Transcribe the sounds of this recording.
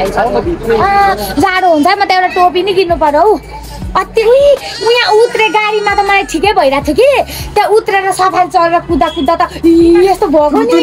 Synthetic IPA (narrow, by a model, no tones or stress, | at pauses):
jt͡sʰʌʌzaɽoɦunt͡sʰʌmʌt̪eewʈaʈop̬iniɡinːupʌɾʌw | ʌt̪imujãut̪ɾeɡaɽimat̪ʌmʌlajʈʰikejbʱʌjɾat͡sʰokit̪jãut̪ɾeɾʌsʌpʰalt͡sʌleɾʌkud̪ːakud̪ːat̪ʌiest̪obʱʌɡoni